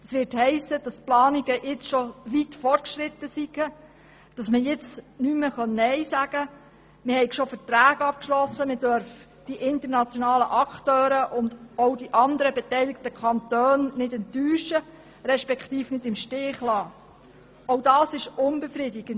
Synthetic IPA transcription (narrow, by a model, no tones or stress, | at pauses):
ɛsʋɪːɾthɛɪsːəd̥ɑsplɑːniɡəjɪt͡sʃɔʋitfɔt̚kʃɾɪt̪ːəsiɡə | d̥ɑsməjɪt͡snyməχœnːɛjsæɡ̥ə | mɪhɛɪkʃofətɾæːɡ̥ɑp̚kʃlɔsːəmɪd̥œɾf | d̥iʔɪnt̪əɾnɑt͡sjɔnɑːlə̰ʔɑkχtøːɾəʔʊndɔwdiʔɑnd̪əɾəbɛtɛjlɪk̚təkʰɑnt̪øːnnɪdɛntːyːʃə | ɾɛʃpɛkt̪iːfnɪdɪmʃtɪːχlɑː | owdɑːsɪʃʊnbɛfɾɪdɪɡ̥ən